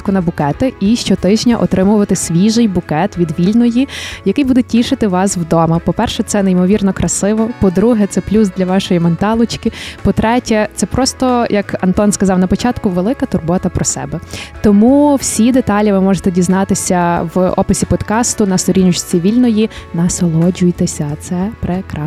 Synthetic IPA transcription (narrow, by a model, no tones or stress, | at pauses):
kʊnɐbʊkɛt̪ɪiʃt͡ʃɔt̪ɪʒnʲɐʔɔt̪ɾɪmʊʋɐt̪ɪsʲʋʲiʒɪjbʊkɛt̪ʋʲid̪ʋʲilʲnɔjijɐkɪjbud̪ɛtʲiʃɪt̪ɪʋɑswd̪ɔmɐpɔpɛrʃɛt̪sɛneimɔʋʲirnɔkɾɐsɪʋɔpɔd̪ɾuɦɛt̪sɛplʲusd̪lʲɐʋɑʃɔjimɔnt̪ɑlˠʊt͡ʃkɪpɔt̪ɾɛtʲɛt̪sɛpɾɔst̪ɔjʔɐkɐnt̪ɔnskɐzɑwnɐpɔt͡ʃɑt̪kʊʋelˠɪkɐt̪ʊrbɔt̪ɐpɾɔsɛ̰bɛt̪ɔmuw̥sʲid̪et̪ɑlʲiʋɪmɔʒet̪ɛdʲiznɑt̪ɪsʲɐwɔ̰pɪsʲipɔd̪kɑst̪ʊnɐst̪ɔɾʲinʲʊt͡ʃt͡sʲiʋʲilʲnɔjinɐsɔlˠɔd͡ʒʊjt̪esʲɐt̪sɛpɾɛkɾɑ